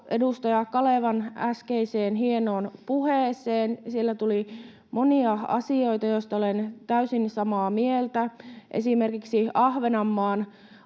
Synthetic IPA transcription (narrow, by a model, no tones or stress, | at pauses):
edust̪ɑjɑkɑleˑʋɑnæskeiseːnɦienoːnpuheːseːnsielːæt̪uli | mʔoniɑɑ̰sio̞jt̪ɑjoist̪ɑolent̪æysinsɑmɑːmielt̪æʔḛsimerkiksiɑhʋenɑmːɑːn